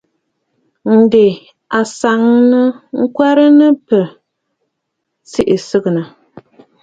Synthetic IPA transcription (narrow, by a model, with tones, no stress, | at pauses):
n̩˨de˨ | a˨sa˨ŋnɨ˦ŋ̩˦kwa˦ɾɨ˦nɨ˦pɨ˨ | si˦ʔi˨sɨ˦ɣɨ˨nɨ˨